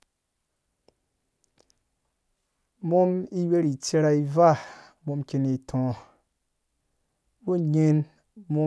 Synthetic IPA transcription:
mo˦mi˦we˦ɾi˨t͡se˧ɾa˧i˧va˦˨ | mo˧mke˧ni˨tʰɔ̃˨ | wu˦ɲe˧n | mo˦

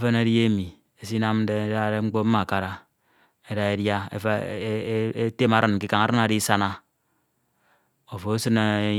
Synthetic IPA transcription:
e˦fe˦ne˦dje˦mi˨ | e˨si˦na˦m̩˦de˦da˦ɾe˦ŋ͡m̩˦k͡po˦m̩˦ma˨ka˨ɾa˦ | e˦da˦e˦dja˦ḛ˨f | e˦te˦ma˨ɾɨ˨n˨ki˦ka˨ŋa˨ɾɨ˦na˨ɾi˦sa˦na˦ | o˨fo˨o˦sɨ˦na˦

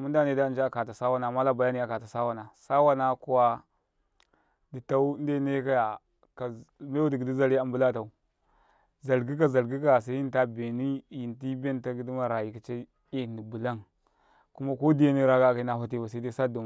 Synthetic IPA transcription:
mu˦da˦ne˨da˦˨˦d͡ʒa˨ka˨ta˨sa˦wa˦na˨ma˦la˦ba˨ja˦ni˦a˨ka˨ta˨sa˦wa˦na˨sa˦wa˦na˦ku˦wa˦ | di˨ta˦u˦n˦de˦ne˦ka˦ja˨ | ka˨me˦wa˦di˨ɡi˨di˦za˦ɾi˦a˨mbu˦la˦ta˨u˨ | za˨lɡi˦ka˦za˨lɡi˦ka˦ja˨s̬a˦i˦ta˦be˨ni˦ji˨nti˦be˦n˦ta˦ɡi˦di˦ma˨ɾa˨ji˨ka˨t͡ʃa˦ | e˦˨ni˨bu˨la˦n | ku˦ma˦ko˦di˦je˦ni˦ɾa˦ɡa˦˨ka˦na˨fa˦t̬i˦ba˨sa˦de˦sa˦du˨

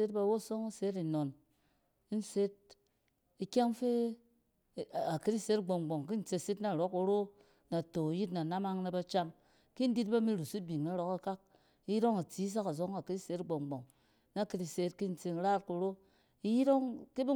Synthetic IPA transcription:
e˦tba˨˦wo˦˨so˦ŋa˦se˨˦ti˨no˨n˦ | n̩˦se˦t̚ | i˨kʲa˦ŋfe˦˨ | a˨ki˦ti˦se˦tɡ͡bo˨ŋ˨ɡ͡bo˨ŋki˦n̩˨˦t͡se˧se˦tna˦˨ɾo˨˦ku˧ɾo˦ | na˨to˨ji˦tna˨na˦ma˦ŋna˧ba˧t͡ʃa˦ŋ | ki˦n̩˦di˦tba˦mi˦ɾu˨si˦bi˨ŋna˨˦ɾo˦ka˦ka˦k̚ | i˦ji˦ɾo˦ŋa˨t͡si˨˦s̬a˦ka˨zo˨˦ŋa˨ki˦ti˦se˦tɡ͡bo˨ŋɡ͡bo˨ŋ | na˦˨ki˧ti˨se˨˦tki˦n̩˨t͡se˧ŋ˦ɾa˦tku˨ɾo˦ | i˦ji˦ɾo˦ŋki˦bi˦

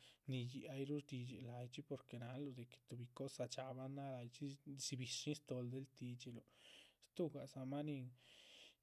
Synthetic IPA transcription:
ni˧ji˧ʔa˧jɾu˦ɾd̪i˧d͡ʒe˨la˨jt͡ʃi˦po˧ɾke˨na˨˦lo˧d̪e˨ke̥˨t̪u˧˨bi˧ko˦sa˧t͡ʃa˧ba˦na˦la˧jt͡ʃi˦si˧bi˨ʂi˦st̪o˧ld̪e˧˦lt̪i˧t͡ʃe˧lo˨st̪u˦ɡa˨sa˧ma˦ni˧ŋ

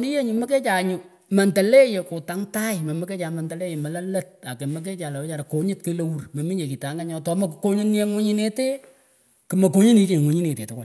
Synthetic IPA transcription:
ni˦je˦ɲu˨mɐ˦ke˦t͡ʃa˨ɲʊ˨ | mɐ˨ntɐ˨le˦je˨ko˨ta˦ŋta˦jɪmɐ˨mɐ˦ke˦t͡ʃa˨mɐ˨ntɐ˨le˦je˨mɐ˨lɐ˦lɐ˦t̚a˨ke˨mɐ˨k̬e˦t͡ʃa˨la˨wɛ˦t͡ʃa˨ɾa˨ko˨ɲɪ˦t̚ke˦lo˦wu˦rmɐ˨mi˦ɲe˨ki˨ta˨˦ŋɡa˦ɲɔ˨˦tɔ˨˦mɐ˦kko˦ɲi˦n˦e˦ŋwo˦ɲi˦ne˦te˦ | kɨ˨mɐ˨k̬o˦ɲi˦ni˨˦t͡ʃe˨ŋwo˨ɲi˦ne˨tḛ˨tʊ˦kwa˦˨

